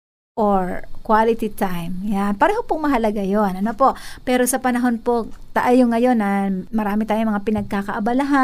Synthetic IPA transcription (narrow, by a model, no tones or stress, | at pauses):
ʔoɹkwalɪt̪it̪ajmjanpɐɾɛːhopʊŋmɐɦɐlɐɡajonʔɐnopo̞ʔpɛːɾo̞sɐpɐnɐɦo̞npot̪ɐʔajoŋːɐjo̞nːɐmɐɾaːmɪt̪aːjoŋmɐŋapɪnɐɡ̚kakɐʔɐbɐlaɦa